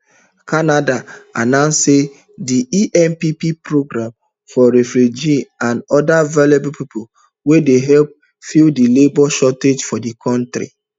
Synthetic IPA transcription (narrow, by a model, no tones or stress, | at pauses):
kanadaa̰nãʊ̃nsse | diiʔɛ̃npipipɹoɡɾãm | fɔɾɛfɾud͡ʒiãndɔdavalebopipʰo | wedeɦɛlp̚ | fildilebɔʃɔted͡ʒfɔdikʰɔ̃ntɾḭ